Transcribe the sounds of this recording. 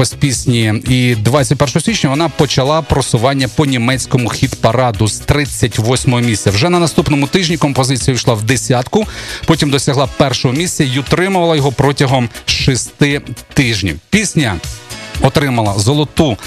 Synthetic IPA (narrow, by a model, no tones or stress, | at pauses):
ɔsʲpʲisʲnʲiid̪ʋɑt͡sʲːɐtʲpɛrʃɔɦɔsʲʋʲit͡ʃnʲɐʋɔnɑpɔt͡ʃɐlˠɑpɾɔsʊʋɑnʲːɐpɔnʲimɛt͡sʲkɔmʊxʲid̪pɐɾɑd̪ʊz̥t̪ɾɪt͡sʲːɐtʲʋɔsʲmɔɦɔmʲisʲtʲt͡sʲɐwʒɛnɐnɐst̪upnɔmʊt̪ɪʒnʲikɔmpɔzɪt͡sʲijɐʋʲijʃlˠɑwd̪esʲɑt̪kʊpɔtʲimd̪ɔsʲɐɦlˠɑpɛrʃɔɦɔmʲisʲt͡sʲɐiʊt̪ɾɪmʊʋɐlˠɐjɔɦɔpɾɔtʲɐɦɔmʃist̪ɪt̪ɪʒnʲḭwpʲisʲnʲɐ | ɔt̪ɾɪmɐlˠɐzɔlˠɔt̪u